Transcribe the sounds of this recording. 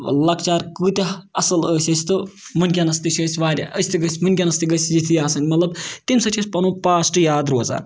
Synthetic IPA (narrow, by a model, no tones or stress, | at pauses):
lɐkt͡ʃaːɾkɨːt̪ʲiɐsɨləːsʲɐsʲt̪ɨmɨnʲkʲanɐst̪it͡ʃʲəːsʲʋaːɾʲaʔəsʲt̪ɨɡəsʲmɨnʲk̬ʲanɐst̪iɡəsʲzit̪ʰijaːsɐnʲmɐt̪lɐbt̪imsɐt͡ʃʰʲɐsʲpɐnuːpaːsʈɨjaːd̪ɾoːza̰ː